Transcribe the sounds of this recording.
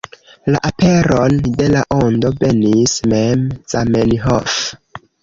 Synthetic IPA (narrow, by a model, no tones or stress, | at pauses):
laʔape̞ɾo̞nde̞laʔondo̞ve̞nismemz̥ameliɦof